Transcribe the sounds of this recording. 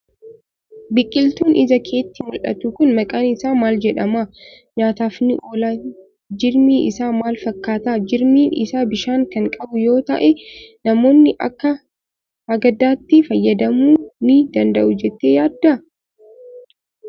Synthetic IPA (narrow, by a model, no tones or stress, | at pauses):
bɪkʼːɪlt̪uːnʔɪzɐkʰe̞ːt̪ːɪmʊlʔɐ̰t̪ukʊnmɐkʼaːnɪsaːmaːld͡ʒɛᶑɐmaː | ɲaːt̪aːfnɪʔo̞ːlaː | d͡ʒɪɾmiːʔɪsaːmaːlfɐkːaːt̪aːd͡ʒɪɾmiːnɪ̰saːbɪʃaːŋkɐŋkʼɐbʊjo̞ːt̪ɐ̰ʔɛnɐmo̞ːnːɪʔɐ̰kːɐ | hɐɡɐd̪aːt̪ːɪfɐjːɐd̪ɐmuːnɪd̪ɐnd̪ɐʔʊd͡ʒɛt̪ːeːjaːd̪ːɐ